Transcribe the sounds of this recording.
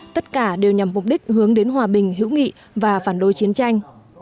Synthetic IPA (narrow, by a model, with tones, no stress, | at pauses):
t̪ə˦˥t̚kaː˧˩ɗe˨˩wɲa˨˩mmʊ˨˩k͡p̚ɗï˦˥k̟̚hɨ˨˦əŋɗe˨˦nɦwaː˨˩ɓï˨˩ŋ̟ɦḭ˧˥wŋḭ˧˨ | vaː˨˩faː˧˩nɗo˨˦jt͡ɕi˨˦ənt͡ɕa˧jŋ̟